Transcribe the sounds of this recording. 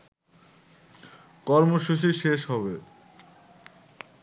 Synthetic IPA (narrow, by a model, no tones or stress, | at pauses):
kɔɾmoʃuʃ̬iʃeʃɦɔβe